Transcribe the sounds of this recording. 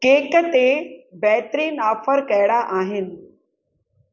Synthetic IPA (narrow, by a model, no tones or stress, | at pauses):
keːkət̪ebɛːt̪ɾiːnaːfəɾkɐɪɽaʔaːɦɪnɪ̆